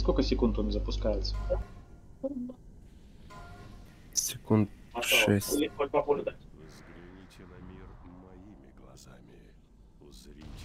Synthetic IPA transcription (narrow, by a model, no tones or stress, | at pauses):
skolʲkəsʲɪkunt̪onzəpʊskajɪt̪sə̥a | sʲɪkunt̪ | aʂɛsʲlʲiɔlʲpɐpolʲd̪avzɡɾʲɪnʲitʲɪnɐmʲirmɐimʲɪɡlˠɐ̰za̰mʲɪ | zɾʲi